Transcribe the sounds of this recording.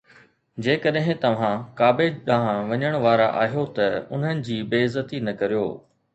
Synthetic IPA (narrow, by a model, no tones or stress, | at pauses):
d͡ʑeːkɐɗɦɪ̃t̪ɐʋ̤ãkaːbeɗãːɦãʋɐɲəɽ̃ʋaːɾa̰ʔa̰ːɦijot̪ɐʊ̰n̤ənɪ̆d͡ʑiːbeːɪzət̪inɐkɐɾijo̰ː